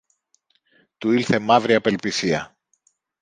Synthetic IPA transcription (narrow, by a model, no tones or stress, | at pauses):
t̪uiɾθe̞mɐvɾiɐpe̞lpisiɐ